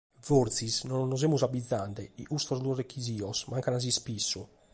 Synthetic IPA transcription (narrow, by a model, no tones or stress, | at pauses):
voɾt̪sisnɔnːɔzemuzabid̪zːand̪ɛḭʔust̪ɾɔzd̪uɔrekʰːiziːɔsmaŋkanaz̬ispisːu